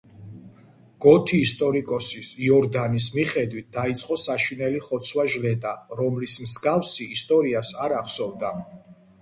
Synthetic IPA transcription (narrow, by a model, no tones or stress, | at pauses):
ɡ̥ɔt̪ʰiːst̪ʼɔɾikʼɔsisiɔɾd̪anis̬miχɛd̪wit̪̚d̪̥ait̪sʼqʼɔsaʃinɛliχɔt̪sʰwaʒlɛt̪ʼaɾɔmlismsɡafsiːst̪ʼɔɾiasaɾaχsɔvd̪a